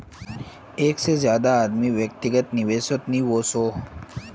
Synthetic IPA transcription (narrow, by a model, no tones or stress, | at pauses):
eːksezjaːd̪aːd̪miʋjək̚t̪ɪɡət̪niʋeːsot̪niːʋoːsoː